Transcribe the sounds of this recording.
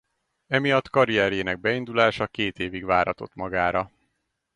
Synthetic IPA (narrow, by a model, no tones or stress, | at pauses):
ɛmijɒt̪ːkɒɾijɛɾjeːnɛɡ̚bɛind̪ulaːʃɒkeːt̪eːviɡʋaːɾhɒ̰t̪o̞̰t̪mɒɡaːɾɒ